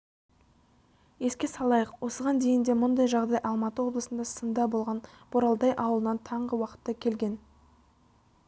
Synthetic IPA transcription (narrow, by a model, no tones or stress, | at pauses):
e̞skʲe̞sɑlˠɑjəqwo̞səʁɑnd̪e̞jɪnd̪e̞mʊnd̪ɑjʒɑʁd̪ɑjʔɑlˠmɑt̪əwo̞blˠəsənd̪ɑsənd̪ɑbo̞lˠʁɑnb̥ʊɾɑlˠd̪ɑjʔɑwəlˠənɑnt̪ʰɑɴʁəwɑqə̥t̪ːɑkʲʰe̞lɡʲe̞n